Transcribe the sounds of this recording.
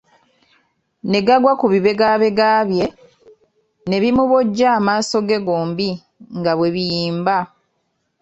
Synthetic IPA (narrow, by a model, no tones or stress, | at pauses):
ne̞ɡaɡwakuβiβe̞ɡaβe̞ɡaːβje̞ | ne̞βimuβoɟːaːmaːso̞ɡe̞ɡoːmbi | ŋɡaβwe̞βijiːmba